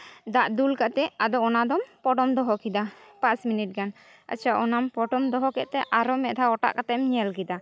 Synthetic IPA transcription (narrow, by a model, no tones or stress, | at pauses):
d̪aʔd̪ulkaʔt̪ɛad̪ɔɔnad̪ɔmpɔʈɔmd̪ɔɦɔkid̪apasminiʈ̚ɡan | a̰t͡ʃʰaʔɔnampɔʈɔmd̪ɔɦɔkɛʔ̪̚t̪ɛʔaɾɔmɛʔd̪ʱaɔʈa̰ʔkat̪ɛmɲɛlkid̪a